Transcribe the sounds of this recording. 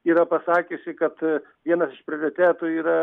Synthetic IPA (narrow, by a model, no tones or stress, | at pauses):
iːɾɐpɐsɑːkʲʊsʲɪkɐt̪ | ʋʲiɛnɐsɪʃpʲɾʲɪoɾʲɪt̪ʲæːt̪ʊːiːɾɐ